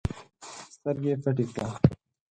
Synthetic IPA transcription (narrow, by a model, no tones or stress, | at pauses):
st̪ɐɾɡefɐʈit̪aː